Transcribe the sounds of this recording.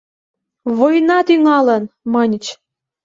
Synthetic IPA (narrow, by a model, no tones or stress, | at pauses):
βojnɑt̪yŋɑlə̆nmɤnʲt͡ɕ